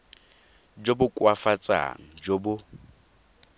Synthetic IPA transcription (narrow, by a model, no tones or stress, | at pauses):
d͡ʒobʊkʼwafat͡sʼa̰ŋ̩d͡ʒobʊ